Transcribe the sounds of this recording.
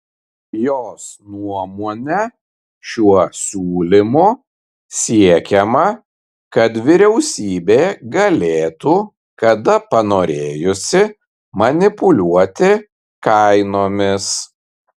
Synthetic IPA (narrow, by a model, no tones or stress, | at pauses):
joːsnuɔmoːnʲɛ | ʃʲuɔsʲuːlʲɪmo | sʲiɛkʲɛmɐ | kɐt̪ʋʲɪɾʲɛʊsʲiːbʲeːɡɐlʲeːt̪uː | kɐd̪ɐpɐnoːɾʲeːjʊsʲɪ | mɐnʲɪpʊlʲuɔt̪ʲɪ | kɐɪnoːmʲɪs